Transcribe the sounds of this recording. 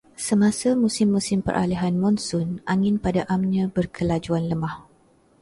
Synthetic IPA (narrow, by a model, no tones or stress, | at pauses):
səmasamũsɪmːusɪmpə̰ɾʔa̰liɦanmɔnsʊnʔaŋɪnpadaʔamɲãbərkʰəlad͡ʒuanləmah